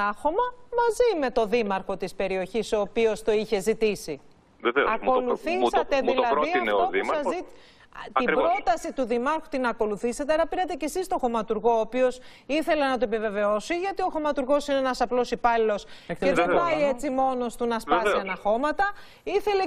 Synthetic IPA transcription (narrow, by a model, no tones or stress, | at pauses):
ɐxo̞mɐmɐzime̞t̪o̞ðimɐɾxo̞t̪ispe̞ɾio̞çiso̞ːpio̞st̪o̞içe̞zit̪isi | vevḛɐko̞luθisɐeðilɐinoðiɐɐzi | t̪ɐibɾo̞t̪ɐsit̪uðimɐɾxu̥t̪inɐko̞luθisɐt̪eɐɾɐpiɾɐt̪e̞ce̞sist̪o̞xo̞mɐt̪uɾɣo̞ːpio̞s | iθe̞le̞nɐt̪oepive̞ve̞o̞siʝɐt̪io̞xo̞mɐt̪uɾɣo̞sineenɐsɐplo̞sipɐlilo̞seðebɐiet͡simo̞no̞st̪unɐspɐsɐnɐxo̞mɐt̪ɐ | iθe̞le